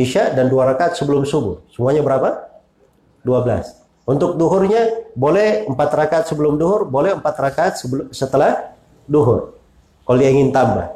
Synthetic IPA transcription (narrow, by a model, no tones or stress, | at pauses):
iʃadanduaɾakaːt̪səbəlʊmsubʊ̰rsəmuaɲabəɾapa | duabəla̰s | unt̪ʊk̚duɦʊrɲabolɛhəmpat̪rakaːt̪̚səbəlʊmduɦʊrbolɛhəmpat̪rakaːt̪̚səbsət̪əlah | duɦʊr | koliaiŋɪnt̪amba̰